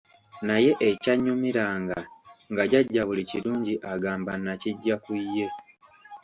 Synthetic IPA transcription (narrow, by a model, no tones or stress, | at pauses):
naje̞ʔecaɲːumiɾaːŋɡaŋɡaɟaɟːaβuliciluːɲɟiʔaɡaːmbanːaciɟːakujːe̞